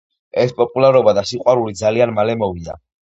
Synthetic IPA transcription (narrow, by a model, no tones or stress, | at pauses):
ɛspʼɔpʼulaɾɔbad̪asiqʼwaɾulid̪zalianmalɛmɔvid̪a̰